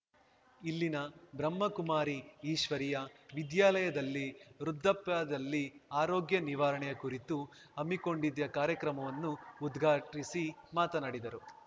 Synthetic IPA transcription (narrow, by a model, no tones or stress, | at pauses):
ilːinɐbɾɐmːɐkumaːɾiːʃʋɐɾijɐʋid̪jaːlɐjɐd̪ɐlːiɾud̪ʱːɐpjaːd̪ɐlːiaːɾoːɡjɐniʋaːɾɐɳɛjɐkuɾit̪u | ɐmːiko̞ɳɖid̪ːɐkaːɾjɐkɾɐmɐʋɐnːuːd̪ɡʱaːʈisimaːt̪ɐnaːɽid̪ɐɾu